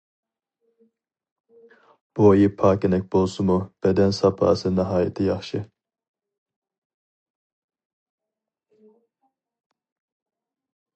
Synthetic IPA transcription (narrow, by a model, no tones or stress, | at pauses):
b̥oːjipʰɑːkʲinɛk̚ʲbolˠsumub̥ɛd̪ɛnsɑpʰɑ̰ːsɨnɑɦɑːjɛt̪ʰijɑχʃi